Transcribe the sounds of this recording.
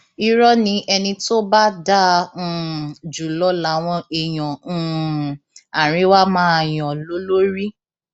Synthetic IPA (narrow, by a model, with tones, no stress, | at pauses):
i˦ɾɔ˦nĩ˧ʔɛ˧nĩ˧to˦ba˦dã˦˨ | d͡ʒu˨lɔ˨˦la˨˦w̃ɔ̃˧e˨j̃ɔ̃˨ | a˨ɾ̃ĩ˨˦wa˦mãː˦˨j̃ɔ̃˨lo˦lo˦ɾi˦